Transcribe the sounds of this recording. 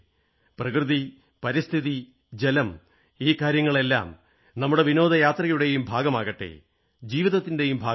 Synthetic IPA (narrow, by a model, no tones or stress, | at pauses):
prɐkrɨði | pɐɾist̪ʰiði | d͡ʑe̞lɐm | iːkaːɾjɐŋːɐɭe̞lːa̰ːm | nɐmːuɽe̞ʋino̞ːd̪ɐjaːt̪rɐɣɐjuɽe̞jumbʱaːɡɐmaːɣɐʈːḛ | d͡ʑiːʋiðɐt̪ːinde̞jumbʱaː